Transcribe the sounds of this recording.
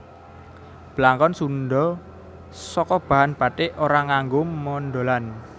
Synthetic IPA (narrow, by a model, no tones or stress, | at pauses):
b̥əlaŋkɔnsunɖɔ | sɔkɔb̥a̤ɦanb̥a̤t̪eʔoɾaŋaŋɡʊmːɔnɖo̤lan